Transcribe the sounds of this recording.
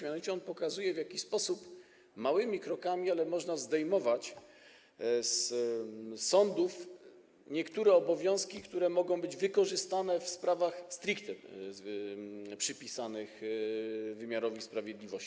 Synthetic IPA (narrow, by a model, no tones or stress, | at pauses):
mʲanɔvʲit͡ɕɛɔnpɔkazujɛvjakʲispɔsup | mawɘmʲikɾɔkamʲialɛmɔʐnazd̪ɛjmɔvat͡ɕ | s | sɔnd̪uf | ɲɛkt̪uɾɛɔbɔvʲjɔ̃w̃skʲikt̪uɾɛmɔɡɔ̃w̃bɘd͡ʑvɘkɔʐɘst̪anɛfspɾavaxst̪ɾikt̪ɛ | pʂɘpʲisanɘx | vɘmʲjaɾɔvʲispɾavʲjed̪lʲivɔɕt͡ɕi